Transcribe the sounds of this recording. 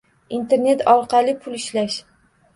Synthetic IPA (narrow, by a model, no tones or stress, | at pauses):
int̪ʰe̞ɾne̞t̪ʰɒɾqʰɑlˠɪpʰʊlˠɪʃlaʃ